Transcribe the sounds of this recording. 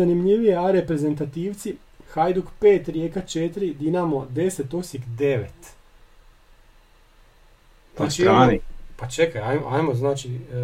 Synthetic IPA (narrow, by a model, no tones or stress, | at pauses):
animʎiʋijeaɾepɾe̞ze̞nt̪at̪iːʋt̪si | xajd̪uɡpeːt̪ɾjekat͡ʃet̪ɾid̪inamod̪e̞set̪osikd̪eʋet̪ | ast͡ʃiɾaːnipat͡ʃekajajmoajmoznaːt͡ʃi